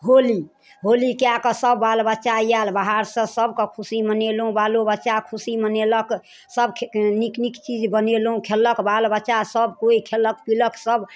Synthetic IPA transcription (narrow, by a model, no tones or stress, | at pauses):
ɦoli | ɦolikejakəsəbːalbətːʃaijalbaɦaɾsə̃səbʱkəkʰusimənelɦũbalobətːʃakʰusimənelək | səbʰniknikt͡ʃid͡ʒbənelɦũkʰeləkbalbəʃasəbkoikʰeləkpiləksəb